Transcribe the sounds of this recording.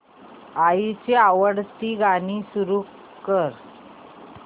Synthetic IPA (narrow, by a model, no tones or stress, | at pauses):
ait͡ɕeaʋəɽt̪iːɡañiːsuɾu | kəɾ